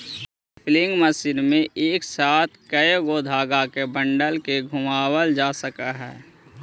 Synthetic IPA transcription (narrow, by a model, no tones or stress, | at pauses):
plɪ̃ŋɡməsɪnmẽʔeːksaːt̪ʰkəjɡoːd̪ʱaːɡakebə̃ɳɖəlkeɡʱʊmaːwəld͡ʒaːsəkaɦɛ̰ː